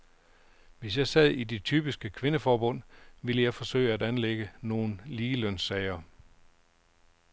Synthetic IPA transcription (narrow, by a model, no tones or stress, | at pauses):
ʋe̝sjɑ̈ɪsɛð̞ˠide̝t͡sʰyːb̥isɡ̥əkʰʋe̝nəfɒːb̥ɔ̽n̰ʋeləjɑ̈ɪfɒ̽sø̰ɪəædænleɡ̥əno̝ːn̩liːlœn̰sɛɪɐ